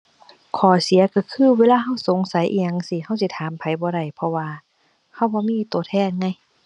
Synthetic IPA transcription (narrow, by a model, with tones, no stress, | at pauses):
kʰɔː˨˩si˨˦ɐka˧˩kʰɯː˧˥˨weː˧˨laː˧ɦa˧˥˩wso˨˦ŋsa˨˦jʔḭː˧ɲa˧ŋsi˧ha˧˥˩wsi˧˦t̪ʰaː˨˦mpʰa˨˦jbɔː˧˦ɾa˧˩jpʰɔ˧waː˧ | ha˧˩wbɔː˧miː˧˥˨t̪u˨˩ət̪ʰɛː˧˩˨n̚ŋa˧˩j